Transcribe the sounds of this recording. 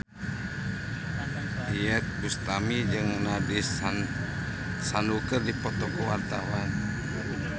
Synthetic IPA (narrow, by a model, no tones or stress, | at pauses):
iɛt̪̚bust̪amid͡ʒɨŋnadi | sanukərdipɔt̪ɔkuwart̪awan